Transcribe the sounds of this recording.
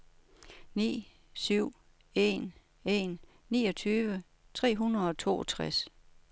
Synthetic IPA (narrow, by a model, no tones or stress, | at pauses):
nḭː | syʊ̰ | e̝n | e̝n | niːɒ̽t͡sʰyːʋə | t͡sʰʁɛ̰ːɦunɐð̩ˠɒ̽t͡sʰo̝̰ːɒt͡sʰʁas